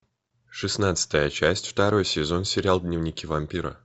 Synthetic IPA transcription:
ʂɨsnat̪sɨ̥t̪əjət͡ɕæsʲtʲft̪ɐɾo̞jsʲɪzo̞nsʲɪɾʲalˠd̪nʲɪvnʲɪkʲivɐmʲpʲiɾə̰

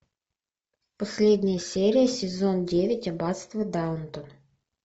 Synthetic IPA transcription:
posʲlʲedʲnʲɪjəsʲeɾʲɪjəsʲɪzondʲevʲɪtʲɐbɑt̪st̪vəd̪awʊnt̪on

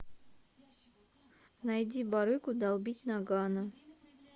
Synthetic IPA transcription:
næjd̪ʲibɑɾɨkud̪ɑlˠbʲit̪ʲnɑɡɑnɤ

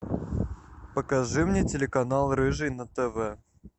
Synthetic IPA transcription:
pəkɐʐɨmnʲetʲɪlʲɪkɐnalˠɾɨʐɨnət̪ɛvɛ

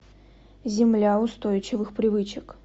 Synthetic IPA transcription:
zʲɪmlʲaʊst̪ojt͡ɕɪvɨxpɾʲɪvɨt͡ɕɪk

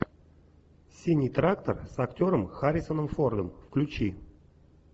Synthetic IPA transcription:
sʲinʲijt̪ɾakt̪ərsɐktʲo̞ɾəmxaɾʲɪsonəmford̪əmfklʲʉt͡ɕi

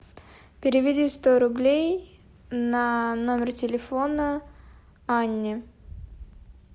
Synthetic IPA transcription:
pʲɪɾʲɪvʲɪdʲist̪oɾʊblʲej | nanomʲɪrtʲɪlʲɪfonə | anʲːɪ

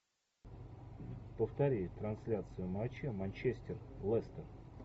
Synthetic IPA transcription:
pəft̪ɐɾʲijt̪ɾɐnsʲlʲat̪sɨjʊmat͡ɕamɐnʲt͡ɕesʲtʲɪrlˠɛst̪ər

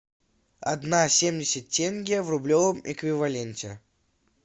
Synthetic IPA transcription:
ɐ̰d̪nasʲemdʲɪsʲɪt̚ʲːenʲɡʲɪjəvrʊblʲovəmɪ̰kvʲɪvɐlʲenʲtʲɪ̰

